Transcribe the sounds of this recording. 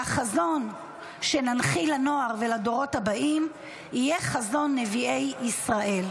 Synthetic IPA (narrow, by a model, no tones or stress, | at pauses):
aχazo̞n | ʃe̞nanχilano̞aʁvelado̞ʁo̞thabaʔim | ijeχazo̞nːevie̞jisʁaʔe̞l